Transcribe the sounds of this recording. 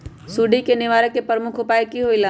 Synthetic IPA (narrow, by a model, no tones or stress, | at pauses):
suːɖikenɪʋaːɾəkːepəɾmʊkʰɦopaːekiɦoila